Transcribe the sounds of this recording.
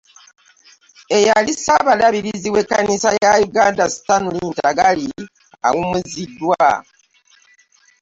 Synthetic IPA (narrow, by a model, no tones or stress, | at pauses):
e̞jalisaβalaβiɾiziwe̞kːanisajajuɡaːndasi̥tanuliːntaɡali | a̰wumuzidːwa